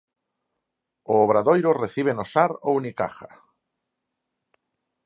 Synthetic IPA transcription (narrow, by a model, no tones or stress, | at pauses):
oːβɾaðojɾoreθiβ̞enosaɾownika̰xa̰